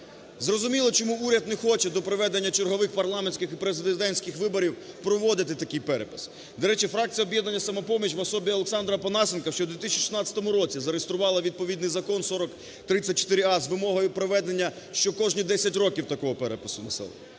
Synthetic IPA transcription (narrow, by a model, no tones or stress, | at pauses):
zrɔzʊmʲilˠɔt͡ʃɔmuuɾʲɐd̪̚nexɔt͡ʃɛd̪ɔpɾɔʋɛd̪enʲːɐt͡ʃerɦɔʋɪxpɐrlˠɑmenʲsʲkʲɪxipɾezɪd̪ɪd̪ɛnʲsʲkɪxʋɪbɔɾʲiw | pɾɔʋɔd̪ɪt̪ɪt̪ɐkɪjpɛɾepɪ̥s | d̪ɔɾɛt͡ʃifɾɑk̚t͡sʲijɔbjɛd̪nɐnʲːɐsɐmɐpɔmʲit͡ʃʋɐsɔbʲiɔlˠeksɑnd̪ɾɐpɔnɑsʲɪnkɐʃt͡ʃɔd̪ʋʲit̪ɪsʲt͡ʃiʃi̥snɑt͡sʲɐ̥t̪ɔmʊɾɔt͡sʲizɐɾest̪ɾʊʋɑlˠɐʋʲid̪̚pɔʋʲid̪nɪjzɐkɔnsɔɾɔk | t̪ɾɪt͡sʲːɐt̚ʲt͡ʃɔ̥t̪ɪɾɪɑzʋɪmɔɦɔjʊpɾɔʋɛd̪e̞nʲːɐ | ʃt͡ʃɔkɔʒnʲid̪ɛsʲɐtʲɾɔkʲiwt̪ɐkɔɦɔpɛɾepɪsʊnɐsɛ̰l̰ˠ